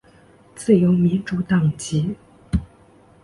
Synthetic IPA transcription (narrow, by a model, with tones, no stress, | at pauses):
t͡sɹ̩˥˩jo˧˥ʊmi˧˥nʈ͡ʂu˧˥t̪ɑ˥˩ŋt͡ɕi˧˥